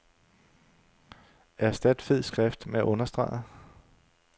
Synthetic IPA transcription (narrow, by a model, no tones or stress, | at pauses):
æɐsd̥æd̥feð̰ˠsɡ̥ʁɛfd̥meæʔɔ̽nɐsd̥ʁɑ̰̈ɪ